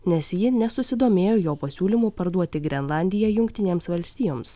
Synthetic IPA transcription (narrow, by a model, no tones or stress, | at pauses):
nʲɛsjɪnʲɛsʊsʲɪd̪oːmʲeːjoːjoːpɐsʲuːlʲimuːpɐɾd̪uɔt̪ʲɪɡɾʲɛnlˠɑˑnʲd̪ʲɪjɛjʊŋʲkt̪ʲɪnʲeːmsʋɐlʲsʲt̪ʲiːjoːms